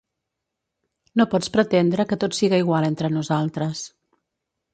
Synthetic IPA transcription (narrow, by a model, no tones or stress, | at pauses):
nopɔt͡spɾət̪end̪ɾəkət̪ot̪siɣaiɣ̞walˠent̪ɾənuzalˠt̪ɾəs